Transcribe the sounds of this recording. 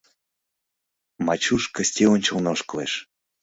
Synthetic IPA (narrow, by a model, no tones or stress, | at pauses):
mɑt͡ɕuʃkə̆sʲtʲeonʲt͡ɕəlnoʃkəlḛʃ